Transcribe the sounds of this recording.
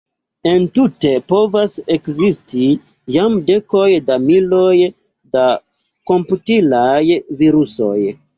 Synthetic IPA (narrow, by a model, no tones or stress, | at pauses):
e̞ntute̞po̞vase̞kzisti | jamde̞ko̞jdamilo̞j | da | ko̞mputilajviɾuso̞̰j